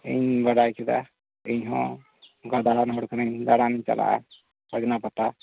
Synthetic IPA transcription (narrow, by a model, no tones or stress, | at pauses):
ḭɲbaɽajkɛd̪a̰ | iɲɦɔ̃ | ɡad̪aɾanɦɔɽkʰanaɲd̪aɽaniɲt͡ʃa̰la̰ʔa̰ | ad͡ʒɔnapat̪a